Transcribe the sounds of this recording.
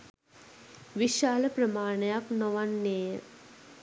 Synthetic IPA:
ʋiʃaːləpɾɐmaːɳɐjaknoʋanːeːə

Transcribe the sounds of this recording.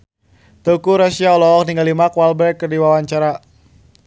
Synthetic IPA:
t̪ukuɾasiaɔlɔɔk̚niŋɡalimakwalbɛrkːərdiwawaɲt͡ʃaɾa

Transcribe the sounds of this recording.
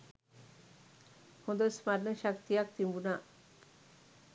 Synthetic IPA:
hod̪osmaɾneʃak̚t̪iak̚t̪imbuna

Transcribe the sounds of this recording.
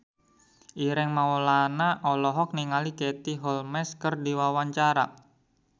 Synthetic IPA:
ʔiɾɛŋmaulanaʔɔlɔɦɔk̚niŋaliket̪iɦɔlmɛskərdiwawaɲt͡ʃaɾa̰

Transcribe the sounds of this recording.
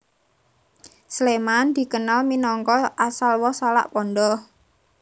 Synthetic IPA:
slemand̪̥i̤kənalminɔŋkɔʔasalwɔsala̰ʔpɔnɖɔ

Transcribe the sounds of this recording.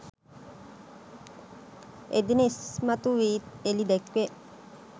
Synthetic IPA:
ḛd̪inesmat̪uʋiːelid̪ɛkʋe

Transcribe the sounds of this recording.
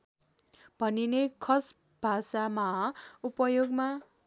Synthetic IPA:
b̥ʱʌninekʰʌs | b̥ʱasamaupʌjoɡma

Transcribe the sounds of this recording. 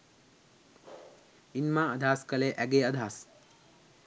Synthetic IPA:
inmãɐd̪ʱaːskɐleʔɛɡeəd̪ʱaːs

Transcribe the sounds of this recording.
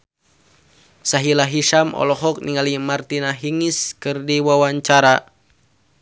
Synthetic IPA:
saɦilaɦiʃamʔɔ̰lɔɦɔk̚niŋalimart̪inaɦiŋiskɨrdiwawaɲt͡ʃaɾa

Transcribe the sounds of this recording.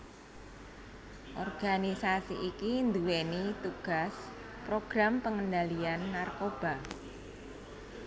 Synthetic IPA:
ʔɔrɡ̥anisasiʔikind̪uwenit̪uɡ̥a̤s | pɾoɡ̥ɾampəŋənd̪alianːarkob̥a̤

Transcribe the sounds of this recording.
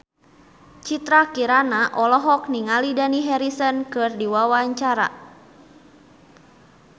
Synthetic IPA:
t͡ʃit̪ɾakiɾanaʔɔlɔɦɔk̚niŋalidaniɦɛɾisənkɨrdiwawaɲt͡ʃaɾa̰

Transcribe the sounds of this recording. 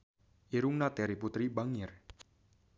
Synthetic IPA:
iɾuŋnat̪ɛɾiput̪ɾibaŋɪr

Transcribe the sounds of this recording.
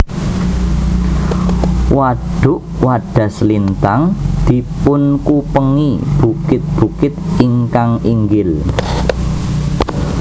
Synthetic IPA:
waɖ̥ʊ̤ʔwaɖ̥a̤slint̪aŋd̪̥i̤pʊnkupəŋib̥ukɪt̪̚b̥ukɪt̪iŋkaŋiŋɡɪl

